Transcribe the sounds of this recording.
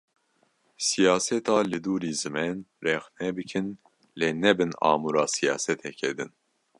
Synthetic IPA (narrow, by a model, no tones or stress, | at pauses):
sijɑːsɛt̪ɑːlɨd̪uːɾiːzɨmɛnrɛxnɛbɨkʰɨn | leːnɛbɨnɑ̰ːmuɾɑːsijɑːsɛt̪ʰɛkʰɛd̪ɨn